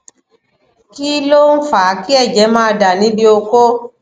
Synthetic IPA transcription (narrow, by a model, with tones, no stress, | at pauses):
ki˦lo˦n̩˦fa˨˦ki˦ɛ˦˨d͡ʒɛ˨˦mãː˦˧da˨nĩ˨˦bi˧o˧ko˦